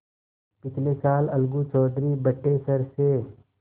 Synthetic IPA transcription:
pɪt͡ʃʰlesaːlɐlɡut͡ʃɔːd̪ʱɾibɐʈːesɐɾse

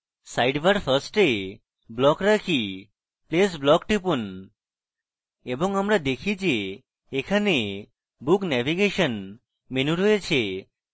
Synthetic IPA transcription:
sajɖʋəɾfʰəɾsʈe | blɔkɾakʰi | plesblɔkʈipun | ebɔŋəmɾad̪ekʰid͡ʒeː | kʰane | buknɛʋiɡeʃən | menuʈuet͡ʃʰe

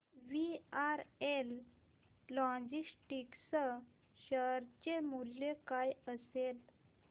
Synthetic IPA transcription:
ʋiaɾelː | ɔ̃d͡ʑisʈiksə | ɕəɾt͡ɕemuljekajəsel

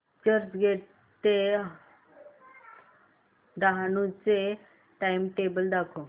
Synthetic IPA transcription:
t͡ɕəɾd͡ʑɡʱeʈ | t̪e | d̪aɦanut͡se | ʈajmʈebəld̪akʰo

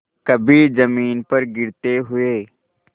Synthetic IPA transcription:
kɐbʱiːzɐmiːnpɐɾɡɪɾt̪eːɦʊeː

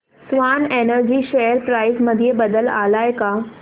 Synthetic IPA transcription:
sʋaːnenəɾd͡ʑiːʃeəɾpɾaːɪsməd̪ʱijebəd̪əla̰ːlaːjka

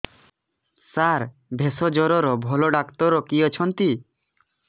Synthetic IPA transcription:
saɾ | bʱesɔd͡ʒɔɾɔɾɔbʱɔlɔɖakt̪ɔɾɔkijɔt͡ʃʰɔnt̪i

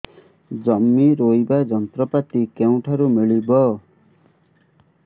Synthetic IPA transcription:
d͡zʌmːiɾojbad͡zʌnt̪rʌpat̪ikew̃ʈʰaɾumiɭibʌ

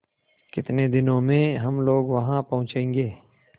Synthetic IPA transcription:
kɪt̪ned̪ɪnõmẽɦɐmloːɡʋɐɦãpɐɦʊ̃t͡ʃẽːŋɡeː

